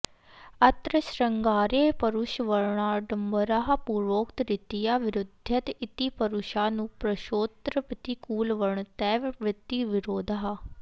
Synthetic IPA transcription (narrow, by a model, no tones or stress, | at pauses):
ət̪ɾəsɾəŋɡaːɾeːpəɾʊʃʋəɾɳaːɖəmbəɾaɦapuːɾʋoːkt̪ɾɪt̪ijaːʋɪɾʊd̪ʱət̪ɪt̪iːpəɾʊʃaːnũːpɾəʃoːt̪ɾəpət̪iːkuːlʋəɳt̪ɛːʋɪɾɪt̪ːiːʋɪɾoːd̪aɦaː